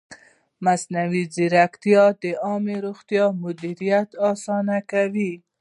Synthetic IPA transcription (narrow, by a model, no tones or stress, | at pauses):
masnawiziɾakt̪ijɑd̪əʔɑmeɾuxt̪jɑmʊd̪iɾijat̪ɑsɑnakawi